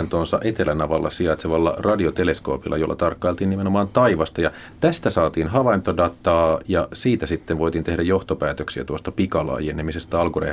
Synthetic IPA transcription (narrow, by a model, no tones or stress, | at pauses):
nt̪oːnsɑ̰ʔet̪elænɑʋɑlːɑ̰siɑt̪seʋɑlːɑ̰rɑdiot̪ele̞skoːpilːɑ̰jo̞lːɑt̪ɑrkːɑilt̪iːnimenomɑːnt̪ɑiʋɑst̪ɑjɑ | t̪æst̪æsɑːt̪iːnɦɑʋɑint̪odɑt̪ɑːjɑsiːt̪æsit̪ːenʋo̞it̪iːnt̪e̞hdæjo̞ht̪opæːt̪øksiæt̪uost̪ɑpikɑlɑ̰ːjenemisest̪æɑlkurḛ